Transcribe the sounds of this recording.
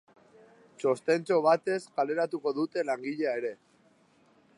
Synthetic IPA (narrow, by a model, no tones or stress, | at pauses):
t͡ʃo̞st̪e̞nt͡so̞β̞at̪e̞skale̞ɾat̪uko̞ðut̪e̞laŋɡiʎeaeɾe̞